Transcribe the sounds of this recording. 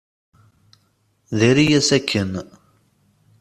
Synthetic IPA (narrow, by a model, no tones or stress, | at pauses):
ðeɾijæsækʰːən